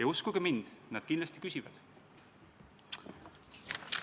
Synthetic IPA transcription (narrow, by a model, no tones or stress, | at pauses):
ejuskuɡ̥emind̪̥nɑd̪̥̚kinlɑst̪i̥kysʲivɑ̰d̪̥